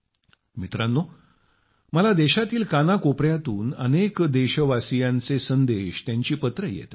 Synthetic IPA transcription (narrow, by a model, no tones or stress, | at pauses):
mit̪ɾanːo | məlad̪eɕat̪iːlkanakopɾjat̪uːnə̰nekd̪eɕəʋasijãnt͡sesənd̪eɕt̪jãɲt͡ɕiːpət̪ɾəjḛt̪